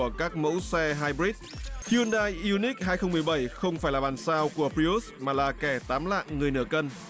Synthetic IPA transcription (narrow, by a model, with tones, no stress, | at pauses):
əkaː˦˥k̚mo̰˧˥wsɛ˧ɦaː˧jbɾi˦˥t̪̚hi˧nɗaː˧jʔi˧ni˦˥k̚ɦaː˧jxə˧ŋ͡mmɨ˨˩əjɓə˧˩jxə˧wŋ͡mfaː˧˩jlaː˨˩ɓaː˨˩nsaː˧wku˧˩əpɾi˧u˦˥smaː˨˩laː˨˩kɛ˧˩t̪aː˨˦mla̰ː˧˨ŋŋɨ˨˩əjnɨ˧˩əkə˧n